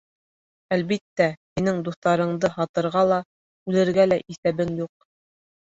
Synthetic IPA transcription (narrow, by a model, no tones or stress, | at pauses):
ælβit̪ːæhinɘŋd̪uθt̪ɑɾɤ̆ɴd̪ɤhɑt̪ɤ̆ɾʁɑlˠɑ | ʉlɘ̆ɾɡælæʔiθæβɘŋjuq̚